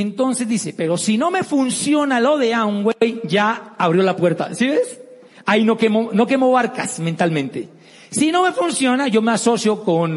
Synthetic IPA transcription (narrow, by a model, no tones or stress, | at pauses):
ent̪o̞nse̞zd̪ise̞pe̞ɾo̞sino̞me̞funsjo̞nalo̞ðe̞aŋɡweejʝaaβɾjo̞lapwe̞ɾt̪a̰siβes | ainokemo̞no̞ke̞mo̞βaɾkasment̪almẽ̞nt̪e̞̰ | sino̞me̞funsjo̞naʝo̞me̞aso̞sjo̞kon